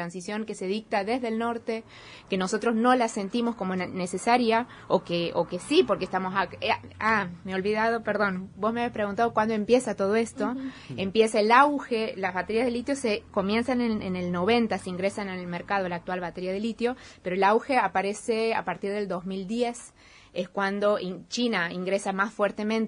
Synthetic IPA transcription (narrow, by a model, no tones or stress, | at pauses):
ɾansisjo̞ŋke̞se̞ð̞ik̚t̪aðe̞zðe̞lno̞ɾt̪e̞ | ke̞no̞so̞t̪ɾo̞zno̞lase̞nt̪imo̞sko̞mone̞se̞saɾja | okeʔokesipo̞ɾkest̪amosaameo̞lβiðaðo̞peɾðo̞nbo̞smeaβespɾe̞ɣunt̪að̞o̞kwand̪oe̞mpje̞sat̪o̞ð̞o̞e̞st̪o̞ | empje̞saelawxe̞lazβat̪eɾjazðelit̪jo̞seko̞mje̞nsanenenelno̞βe̞nt̪aseiŋɡɾesananelmeɾkað̞o̞laːk̚t̪walβat̪eɾjað̞elit̪jo̞peɾoelawxe̞apaɾe̞se̞a̰paɾt̪iɾð̞e̞ld̪o̞zmild̪je̞s | eskwand̪o̞t͡ʃinaiŋɡɾesamasfweɾt̪emẽnt̪e